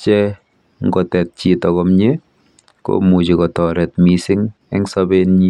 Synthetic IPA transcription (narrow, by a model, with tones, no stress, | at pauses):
t͡ʃɛ˦ | ŋɡɔ˨tɛ˨t̚t͡ʃi˨tɔkɔmɲe˦ | ko̰mu˨t͡ʃi˨kɔ˨tɔɾɛ˨t̚mi˨sɪ˦ŋ | ɛ˦ŋsɔ˦benɲi˦